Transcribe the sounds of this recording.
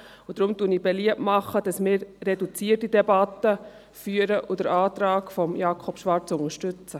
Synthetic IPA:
ʊd̥̪ɾʊmtuniːbɛliəmɑχːəd̥ɑsmɪːɾːɛdut͡siətidɛbɑt̪ə | fyːəɾəʔʊd̥̪əɾɑːtɾɑːkfɔmjɑːkʰɔpʃʋɑɾt͡sʊŋəʃtʏt͡sə

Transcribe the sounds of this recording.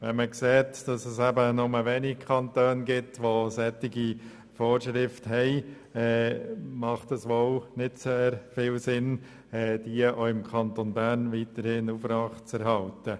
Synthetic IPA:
ʋɛnməkseːtd̥ɑsəsæbənʊməʋɛːnikʰɑntøːnɡɪtʋosɛtːɪɡi | foːɾʃɾɪfthɛɪ | ɛːmɑχtɑsʋoʊnɪdseːɾfɪlsɪn | ɛːd̥iəʔoːɪmkʰɑnt̪onbæːɾnʋiːtəɾhɪnufɾɑχt͡sɛɾhɑltə

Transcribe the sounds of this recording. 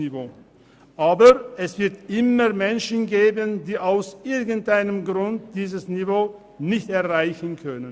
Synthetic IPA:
ivoː | ʔaːbəʁʔɛsv̥ɪɐtʔɪməʁmɛnʃn̩ɡeːbəndiːaʊsʔɪɐɡən̩tʔaɪnəmɡʁʊnt̚d̥iːzəsnivoː | nɪçtɛɐʁaɪçən̩kʰœnən

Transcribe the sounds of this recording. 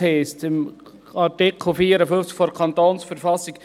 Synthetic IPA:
hɛɪstɪm | ɑɾtɪkʰl̩ˠfiːəɾəfʏft͡skfɔɾkʰɑnt̪oːnsfəɾfɑsːik

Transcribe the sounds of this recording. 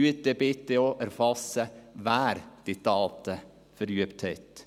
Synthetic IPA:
ʉːt̪̚ebɪt̪ːəoʔæɾfɑsəʋæːɾd̪̥ɪt̪ɑːt̪ə | fœɾyːəpt̪ʰheɪt̪

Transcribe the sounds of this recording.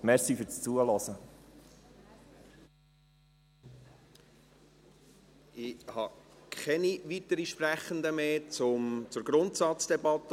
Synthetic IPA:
mɛɾsifʏɾt͡st͡suəlɔsə | ʔɪhɑkχɛniʋit̪əɾiʃpræχənd̪əmeːt͡sʊmt͡sʊɾɡɾʊntsɑt͡sd̥ɛbɑt̪ːə

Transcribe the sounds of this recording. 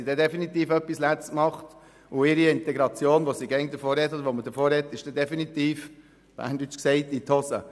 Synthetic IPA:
idɛd̪ɛfinit̪iːfœpːislɛt͡smɑχt | ʊɪɾiɪnt̪ɛɡɾɑt͡sjoːnʋosiɡɛŋd̪əfoːɾɛt̪ːɔd̪ɾʋomədəfoːɾhɛt̪ːɪʃd̥ɛd̪ɛfinit̪iːf | ba̰nd̪yt͡sksɛɪt̪it̪ʰɔsə̰

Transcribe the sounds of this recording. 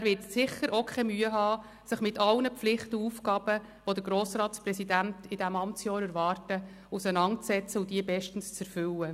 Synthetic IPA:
æɾʋɪtsɪχəɾʔokʰɛmyːəɦɑː | səχmɪtɑlnəpflɪχtəuːfkɑːb̥ə | ʋod̥̪əɾɡɾoːsrɑːtsprɛsidæntɪd̥æmɑmt͡sjɑːɾɛɾvɑːrtə | usənɑntt͡sɛt͡səʊd̥iəbɛʃtən̩st͡sɛɾfʏlːə

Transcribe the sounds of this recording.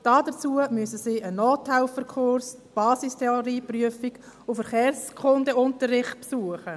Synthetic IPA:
d̥ɑːdət͡suːəmʏsəsiːʔənoːtʰːaɪlfəɾkʰʊɾsb̥ɑːsistʰɛɔɾiːpryəfiɡ | ʊfəɾχɛːɾskʰʊndəʊntəɾɪχt̚psuəχə

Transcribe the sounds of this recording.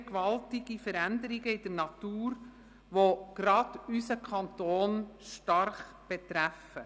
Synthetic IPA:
kʋɑltɪɡ̥ifəɾænd̪əɾiɡəɪd̥əɾnɑt̪uːɾ | ʋoɡ̥ɾɑd̥ysəkʰɑnt̪oːnʃtɑrχ | b̥et̪ɾæfə

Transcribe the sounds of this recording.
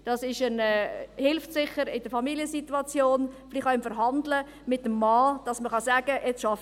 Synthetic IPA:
d̥ɑsɪʃənɛːhɪlftsɪχəɾɪd̥əfɑmiliəsituɑt͡sjoːnflɪχɑɪmfəɾɦɑndlə | mɪt̚ːəmːɑːd̥ɑsməχɑsæːɡ̥əʔɛt͡sʃɑf

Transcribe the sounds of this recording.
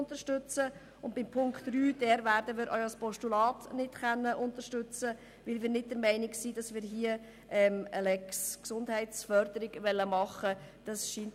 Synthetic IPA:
ntəɾʃtʉt͡sə | ʊndb̥ɪmpʰʊŋktɾyːd̥ɛːɾvæːɾdəmɪːɾʔœ̰ʏəspɔʃtulɑːtnɪtχɛnːəʔʊntəʃtʉt͡sə | ʋɪlʋɪːɾnɪt̚d̥əɾmɛɪnɪksid̥ɑsʋɪːɾɦiə | ɛməlɛksksʊndɦɛɪtsfœɾdəɾɪɡʋɛlːəmɑχəd̥ɑsʃiːnt

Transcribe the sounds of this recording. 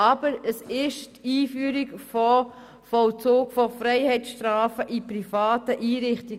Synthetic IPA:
ɑb̥əɾəsɪʃtiːfyːɾiɡfɔ | fɔlt͡soːɡfɔfɾɛɪhɛɪtsʃtɾaːfəʔiprifɑːtəʔiːɾɪχti

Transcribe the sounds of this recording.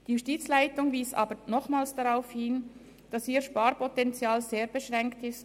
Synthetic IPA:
d̥iːjustiːt͡slaɪtʊŋviːsɑ̰ːbənɔχmaːlsd̥aʁaʊfhɪn | d̥ɑsiːʃpaːɾpɔtɛnt͡sjaːlzeːɾbeʃʁɛŋktɪst

